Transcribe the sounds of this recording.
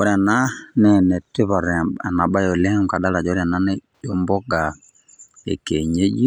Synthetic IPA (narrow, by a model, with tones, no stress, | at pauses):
o˨ɾi˦a˨na˦nɛ˦nɛ˨te˦βa˨ɾɛ˨a˨na˨ɓa˦jo˨lɛ˦m˨ka˨da˦la˨d͡ʒɔ˦ɾja˨na˦nɛ˦ | o˦mbɔ˦ɡa˨ | ḛ˨ke˨ɲe˦d͡ʒi˦